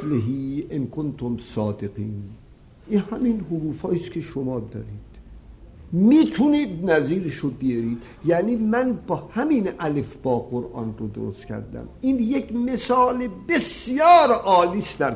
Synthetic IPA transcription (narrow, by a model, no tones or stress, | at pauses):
leɦiːenkʰont̪ʰomsɒːd̪eqiːn | ʔinhæminhoɾuːfɒːiːskʰe̞ʃomɒːd̪ɒ̰ːɾiːd̪̥ | miːt̪ʰuniːd̪næziːɾeʃobejeɾiːd̪̥ | jæːniːmænbɒːhæminʔælefbɒːɡoɾʔɒ̰ːnrod̪o̰ɾost̪cʲʰæ̰ɾd̪æ̰miːnjekmesɒːlebesjɒːɾʔɒːliːsd̪̥æɾ